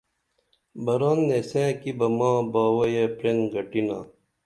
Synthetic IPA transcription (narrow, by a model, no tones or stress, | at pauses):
bɐɾanːesẽːkibɐmãːbaːwɐjepɾeŋɡɐʈina̰ː